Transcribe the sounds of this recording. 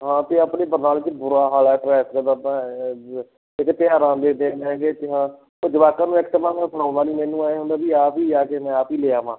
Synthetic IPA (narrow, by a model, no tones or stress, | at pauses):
ɦãːt̪eːapɳeːbəɾnaːlɪt͡ʃbʊɾaːɦaːlɛːʈɾɛːskəd̪apɛ̃ː | ɪk̪pɪjaːɾãːd̪eːd̪ẽːnɛ̃ːɡeːt̪eɦãː | od͡ʒɪʋaːkãːnũːɛɪkt̪əmãːnãːsʰəɽãːnd̪aːniːmɛ̃ːnũːaːeːɦʊ̃nd̪aːbiːaːpiːd͡ʒaːkeːmɛ̃ːaːpiːleːaːʋãː